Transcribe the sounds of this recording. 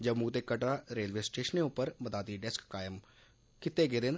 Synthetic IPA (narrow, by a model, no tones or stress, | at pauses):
d͡ʒəbmũːt̪eːkəʈaːɾeːlʋeːsʈeːʃənẽːʊpəɾməd̪aːt̪iːɖɛskːaːjəm | kɪt̪eːɡeːd̪en